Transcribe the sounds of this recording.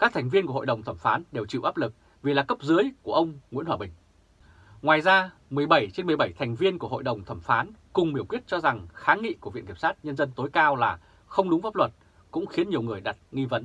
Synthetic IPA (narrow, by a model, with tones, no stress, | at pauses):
kaː˦˥k̚t̪ʰɛ˨˩ŋ̟vi˧ənku˧˩ho̰˧˨jɗə˨˩wŋ͡mt̪ʰə˧˩mfaː˨˦nɗe˨˩wt͡ɕḭ˧˨wʔaː˦˥p̚lɨ˨˩k̚ | vi˨˩laː˨˩kə˦˥p̚zɨ˨˦əjku˧˩əʔə˧wŋ͡mŋḭ˧˥nhwaː˧˩ɓï˨˩ŋ̟ | ŋwaː˨˩jzaː˧mɨ˨˩əjɓə˧˩jt͡ɕe˧nmɨ˨˩əjɓə˧˩jt̪ʰɛ˨˩ŋ̟vi˧ənku˧˩əɦo̰˧˨jɗə˨˩wŋ͡mt̪ʰə˧˩mfaː˨˦nkʊ˨˩ŋ͡mmɓi˧˩kwi˦˥ət̚t͡ɕɔ˧za˨˩ŋxaː˨˦ŋḭ˧˨ku˧˩v̰ḭ˧˨nki˨˩msaː˦˥t̚ɲə˧nzə˧nt̪o˨˦jkaː˧wlaː˨˩ | xə˧wŋ͡mɗʊ˨˦ŋ͡mfaː˦˥p̚lwə˨˩t̚ | kʊ̰˧˥ŋ͡mxi˨˦ənɲi˨˩əwŋɨ˨˩əjɗa˨˩t̚ŋi˧və˨˦n